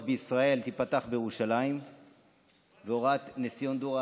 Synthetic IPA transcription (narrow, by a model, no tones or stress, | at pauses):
tbeisʁae̞lt̪ipat̪aχbejeʁuʃalaim | veoʁat̪nesijond̪oʁa